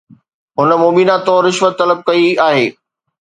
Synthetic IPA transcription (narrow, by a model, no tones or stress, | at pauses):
ɦʊnəmoːmiːnat̪oɾɪʃʋət̪ːɐləb̚kɐiaːɦeː